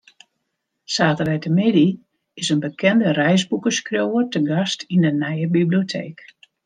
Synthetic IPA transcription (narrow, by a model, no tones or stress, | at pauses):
saːtərʋɛjtəmɪdi | ɪsənbəkʰɛndərɛjzbukəskrjowərtəɡastindənɛjəbibliotʰḛːk